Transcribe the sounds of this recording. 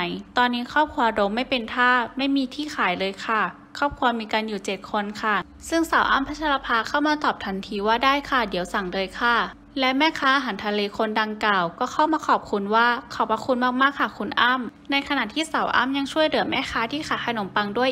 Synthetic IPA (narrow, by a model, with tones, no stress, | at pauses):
jt̪ɔː˧nːiː˦˥kʰɔː˥˩p̚kʰu˧ɐ˧do˧˦mːa˥˩jpe˧nt̪ʰaː˥˩ma˥˩jmiː˧t̪ʰiː˥˩xʰaː˨˦jlɤː˧jkʰa˧˥˩ | kʰɔː˥˩p̚kʰu˧ɐ˧miː˧kaː˧njuː˨˩t͡ɕe˨˩t̪̚kʰo˧nkʰa˧˥˩ | sɯ˥˩ŋsa˨˩˦wʔa̰ː˥˩mpʰa˦˥t͡ɕʰa˧la˧pʰaː˧kʰa˥˩wmaː˧t̪ɔː˨˩p̚t̪ʰa˧˥nt̪ʰiː˧waː˧˥˩daː˥˩˨jkʰa˧˥˩di˩˦əwsa˨˩˦ŋdɤː˧jkʰa˧˥˩ | lɛ˦˥mɛː˥˩kʰaː˧˥ʔa˧ɦa˩˦nt̪ʰa˧leː˧kʰo˧nda˧ŋkaː˨˩wkɔː˧˩kʰa˥˩wmaː˧kʰɔː˨˩p̚kʰu˧nwaː˥˩kʰa˧˩wpa˧kʰu˧nmaː˥˩k̚maː˥˩k̚ʰa˧˩kʰu˧nʔaː˧˥˩m | na˧jkʰa˧na˨˩t̪ʰiː˥˩sa˨˩˦wʔa̰ː˥˨mɲa˧ŋt͡ɕʰu˥˩əjlɯ˩˦ɐmɛː˥˩kʰaː˧˥t̪ʰiː˥˩xʰaː˨˦jkʰa˧no˨˩˦mpa˧ŋdu˥˩əj